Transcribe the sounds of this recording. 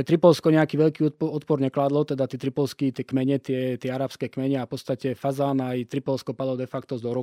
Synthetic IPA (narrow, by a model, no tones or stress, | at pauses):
ɛt̪ɾipɔlskɔɲɛakiːʋɛʎkiːɔɔt̪pɔɾɲɛklaːd̪lɔt̪ɛd̪at̪iːt̪ɾipɔlskit̪ɪɛkmɛɲɛt̪ɪɛt̪ɪɛaɾaːpskɛːkmɛɲɛafpɔtst̪acɛfazaːnait̪ɾipɔlskɔpad̪lɔd̪ɛfakt̪ɔzd̪ɔɾɔ